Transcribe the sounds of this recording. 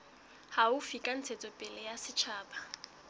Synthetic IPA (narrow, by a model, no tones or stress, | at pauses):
haʊfikʼan̩t͡sʰet͡sʼɔpʼɪlɛjasɪt͡ʃʰaːba